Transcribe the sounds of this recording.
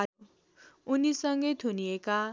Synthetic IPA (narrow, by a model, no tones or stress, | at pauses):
u | unisʌŋɡʌjt̪ʰunieka